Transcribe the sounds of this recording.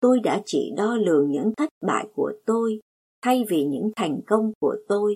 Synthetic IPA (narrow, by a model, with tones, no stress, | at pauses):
t̪o˧jɗa̰ː˧˥t͡ɕḭ˧˩ɗɔ˧lɨ˨˩əŋɲɨ̰˧˥ŋt̪ʰə˦˥jt̚ɓa̰ː˧˨jku˧˩ət̪o˧j | t̪ʰa˧jvi˨˩ɲɨ̰˧˥ŋt̪ʰa˨˩jŋ̟kə˧wŋ͡mku˧˩ət̪o˧j